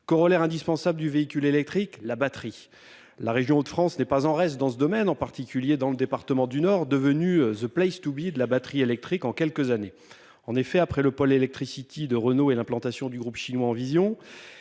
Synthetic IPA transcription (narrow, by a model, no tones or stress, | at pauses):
kɔʁɔlɛʁɛ̃d̪ispɑ̃sabləd̪yveikʲylelɛk̚t̪χiklabat̪χi | laʁeʒjɔ̃ot̪fχɑ̃snɛpazɑ̃ʁɛst̪̚d̪ɑ̃səd̪ɔmɛnɑ̃paʁt̪ikʲyljed̪ɑ̃ləd̪epaʁt̪əmɑ̃d̪ynɔʁd̪əvənyzəplɛjst̪ubid̪əlabat̪χielɛk̚t̪χikɑ̃kʲɛlkəzane | ɑ̃nefɛapχɛləpɔlelɛk̚t̪χisit̪ʰid̪əʁənoelɛ̃plɑ̃t̪asjɔ̃d̪yɡʁupʃinwaɑ̃vizjɔ̃